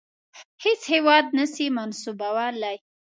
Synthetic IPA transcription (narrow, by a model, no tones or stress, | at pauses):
het͡shewɑd̪̚nəsimansubawala